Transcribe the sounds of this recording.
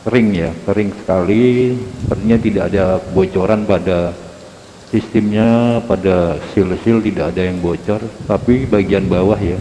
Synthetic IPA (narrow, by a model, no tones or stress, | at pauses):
səɾɪŋjasəɾɪŋsə̥kalisəpərt̪iɲat̪idaʔa̰dabot͡ʃoɾanpada | sist̪ɪmɲapadasɪlsɪlt̪idaːdajaŋbot͡ʃɔrt̪apibaɡianbawahja